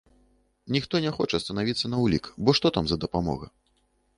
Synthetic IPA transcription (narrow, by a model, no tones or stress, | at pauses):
nʲixt̪ɔnʲɛxɔt͡ʂɐst̪ɐnavʲit̪sːɐnɐwlʲikbɔʂt̪ɔt̪amzɐd̪ɐpamɔ̰ɣɐ̰